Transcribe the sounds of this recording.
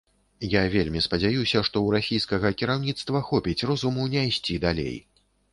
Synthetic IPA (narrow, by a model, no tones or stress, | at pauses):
javʲelʲmʲispɐd͡zʲajusʲɐʂt̪ɔwɾasʲijskɐɣɐkʲiɾawnʲit̪st̪vɐxɔpʲit͡sʲrɔzumunʲajsʲt͡sʲid̪alʲḛj